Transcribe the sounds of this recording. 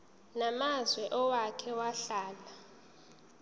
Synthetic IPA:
namazwɛʔɔwakʰɛwaɬaːla

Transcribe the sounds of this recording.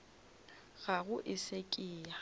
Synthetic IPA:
ɣaɣʊʔɪsekʼɪːa

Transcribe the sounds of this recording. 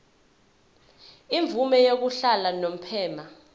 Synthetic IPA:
iɱvumɛjok̬uɬalanom̩pʰɛːma

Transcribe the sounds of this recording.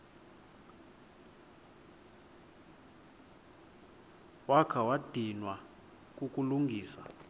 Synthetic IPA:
wakʰawad̥ʱinwa | kʼukʼuluŋɡʱiːsḁ

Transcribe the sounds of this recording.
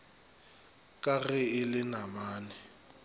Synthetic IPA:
kʼaɣɛɪlɪnamaːnɛ

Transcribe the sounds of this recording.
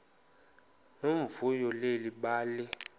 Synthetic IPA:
nomvujɔleliɓaːli

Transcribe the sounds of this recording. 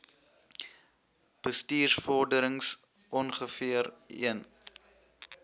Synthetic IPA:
b̥əstiːrsfɔrdəɾəŋs | ʔɔnχəfiərḭən

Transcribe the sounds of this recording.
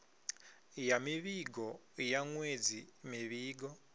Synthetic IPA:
jamiβiɡɔjaŋwed͡zimiβiːɡɔ

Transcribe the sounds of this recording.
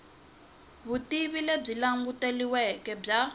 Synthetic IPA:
βutiβileb͡ʐilaŋɡuteliwɛkɛb͡ʐa

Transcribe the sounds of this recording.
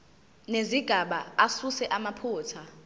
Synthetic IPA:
neziɡ̥ʱaɓaasusɛʔamapʰuːtʰa

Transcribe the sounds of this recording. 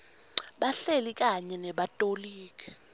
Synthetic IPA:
ɓaɬelik̬ʼaɲɛnɛɓatʼoliːk̬ʰʼɛ

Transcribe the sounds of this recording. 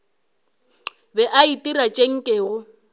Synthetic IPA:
bɛʔaitʼirat͡ʃʼeŋ̩kʼeːɣʊ

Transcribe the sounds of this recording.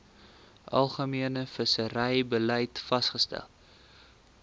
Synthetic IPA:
ʔɐ̰lˠχəmiənəfəsəɾəjbəlɛjtfɐsχəstæ̰lˠ

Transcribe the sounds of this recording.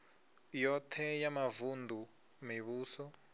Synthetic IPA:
jɔtʰɛjamavundʱu | miβuːsɔ

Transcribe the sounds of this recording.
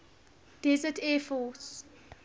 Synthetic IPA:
d̥ɛzətʰɛːfɔs

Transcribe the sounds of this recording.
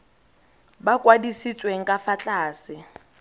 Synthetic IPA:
bakʼwadisit͡sʼweŋ̩kʼafat͡ɬʼaːsɪ

